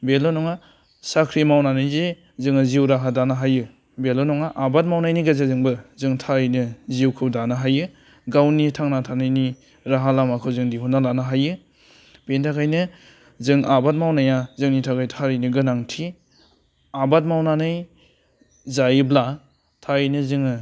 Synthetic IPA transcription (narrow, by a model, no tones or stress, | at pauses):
belɔnɔŋa | sakʰɾimawnanɯjze | zɯŋɯziwɾaɦadanaɦajɯ | belɔnɔŋaʔabat̚mawnajniɡazazɯŋbɯzɯŋtʰaɾɯjnɯziwkʰɯwdanaɦajɯ | ɡawnitʰaŋnatʰanajni | ɾaɦalamakʰɯwzɯŋdiɦunːalanaɦajɯ | pentʰakʰajnɯ | zɯŋabat̚mawnajazɯŋnitʰakʰajtʰaɾijniɡɯnaŋtʰi | abat̚mawnanɯj | zajɯbla | tʰaɾinɯzɯŋɯ